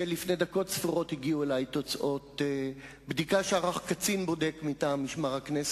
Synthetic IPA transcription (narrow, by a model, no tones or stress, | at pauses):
elifned̪ako̞tsfiʁo̞thiɡiuelajt̪o̞t͡sʔo̞t | bd̪ikaʃeaʁaχkat͡sinbo̞dekmitaːmiʃmaʁhaknes